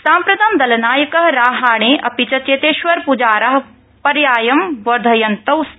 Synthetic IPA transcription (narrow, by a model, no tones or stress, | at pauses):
sãːmpɾɐd̪ʰʱɐmd̪ɐlɐnaːjɐkɐɦɐɾaːɦaːɳ̃eːʔɐpit͡ʃɐt͡ʃeːt̪eːʃʋɐɾpud͡ʒaːɾɐɦɐ | pɐɾjaːjɐmʋɐɾd̪ʱɐjɐnt̪ɐws